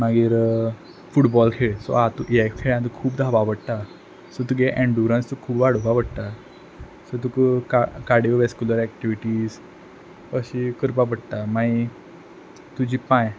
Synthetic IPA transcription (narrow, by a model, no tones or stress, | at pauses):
maɡiːɾ | fuʈbɔlkʰeɭsɔ̰at̪uʔiakkʰeɭãt̪̬ukʰuːpd̪ʱaʋaʋəɽt̪a | sɔt̪uɡeʔɛ̃ɳɖuɾə̃nst̪ukʰuːbʋaɽ̤ubaʋəɽt̪a | sɔt̪ukkakaɽiəʋeskuləɾɛk̚ʈiʋiʈiːs | əɕikəɾpapəɽt̪amai | t̪ud͡ʑipãj